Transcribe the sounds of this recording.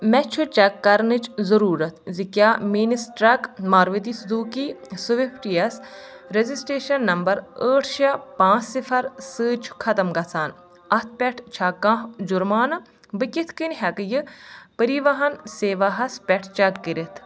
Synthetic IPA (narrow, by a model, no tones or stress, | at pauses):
mɛt͡ʃʰut͡ʃɐkːɐɾnɨt͡ʃzɐɾuːɾɐt̪ʰzikʲaːminisʈɾɐkmaːɾʋit̪isd̪uːkisuʋipʰʈiɐs | ɾezisʈeːʃɐnːɐmbɐɾəːʈʰʃɐpãːt͡ʃsifʰɐɾsɨːt͡ʃʰu̥kʰɐt̪ɐmɡɐsaːn | ɐt̪ʰpʲɛʈʰt͡ʃʰakːãɦd͡ʒuɾmaːn | bɨkit̪ʰkinɦɐkjɨpəɾiʋɐɦɐnseːʋɐɦɐspʲɛʈʰt͡ʃɐkːiɾit̪ʰ